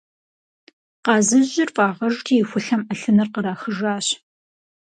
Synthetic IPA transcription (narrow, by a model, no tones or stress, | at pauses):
qɑːzɨʑɪrfʼɑːʁɐʒtʰijːxʷʊɬɐmɐɬɨnɐrqəɾaːxəʒaːɕ